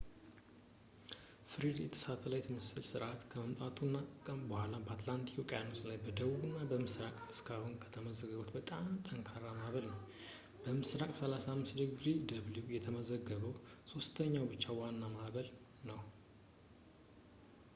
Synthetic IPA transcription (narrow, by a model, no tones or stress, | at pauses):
fɨɾid̪jɛt̪ʰə̥sat̪ʰʼəlajɛt̪ʰɨmɨsɨlsɨɾʔat̪kʰəməmt̪ʼat̪ʰunːaəbəhʷalabəat̪lant̪ʰi̥kokʼjanoslajbəd̪əβubɨnːabəmɨsɾakʼɨskʰahunkʰə̥t̪ʰəməzəɡəɡot̪bət̪ʼamt̪ʰʼəŋkʰaɾamaβəlnəw | bəmɨsɾakʼsəlasamːɨsd̪ɨɡɡɾid̪əβljujɛt̪ʰəməzəɡːəβəwso̞st̪ʰəɲːawbɨt͡ʃːawanːamahβəl | nəw